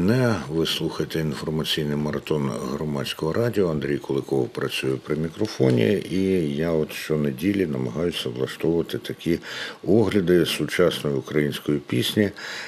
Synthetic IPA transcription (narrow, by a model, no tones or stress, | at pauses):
nɛʋɪslˠuxɐjet̪ɛinfɔrmɐt͡sʲijnɪjmɐɾɐt̪ɔnɦɾɔmɑt͡sʲkɔɦɔɾʔɑdʲiɔɐnd̪ɾʲijkʊlˠɪkɔwpɾɐt͡sʲujʊpɾɪmʲikɾɔfɔnʲḭijaɔt̪ʃt͡ʃɔnedʲilʲinɐmɐɦɑjʊsʲɐblˠɐʃt̪ɔwʊʋɐt̪ɪt̪ɐkʲiɔɦlʲɐd̪ɪsʊt͡ʃɑsnɔjʊʊkɾɐjinʲsʲkɔjipʲisʲnʲi